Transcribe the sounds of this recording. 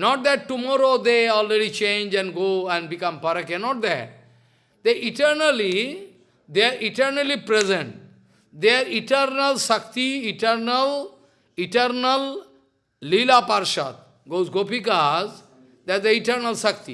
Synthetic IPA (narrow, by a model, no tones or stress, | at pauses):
nɔːʈ̚d̪ɛʈːumɔːɾod̪eɔːlɾeɖit͡ʃẽːnd͡ʒɛ̃nɖɡoːɛ̃ɳɖbikʌ̃mpəɾəkenɔʈ̚d̪ɛʈ̚ | d̪eʔiʈəɾnəli | d̪eaɾʔiʈəɾnəlipɾezə̃ɳʈ | d̪eaɾiʈəɾnəlsəkt̪iiʈəɾnəl | iʈəɾnəl | lilapaɾʃat̪̚ | ɡozɡoːpikaz | d̪ɛʈd̪əiʈəɾnəlsəkt̪i